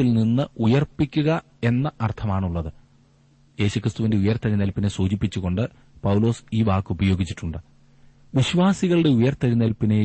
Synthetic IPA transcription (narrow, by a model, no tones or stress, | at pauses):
ilninːɨujɐrpːikʲːuɣɐ | e̞nːɐʔɐrt̪ʰɐmaːɳuɭːɐðɨ | je̞ːɕukrɨst̪uʋinde̞ujɐrt̪ɐɾinɐlpːinesuːt͡ɕipːit͡ɕːuɣo̞ɳɖɨ | pɐwlo̞ːsiːʋaːkːɨubɐjo̞ːɡit͡ɕːi̥ʈːuɳɖɨ | ʋiɕʋaːsiɣɐɭɨɽe̞ujɐrt̪ɐɾinɐlpːine